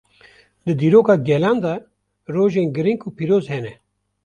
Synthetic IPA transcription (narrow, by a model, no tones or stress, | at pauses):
d̪ɨd̪iːɾoːkɑːɡɛlɑːnd̪ɑ | ɾoːʒeːnɡɨɾiŋkuːpiːɾoːzhɛnɛ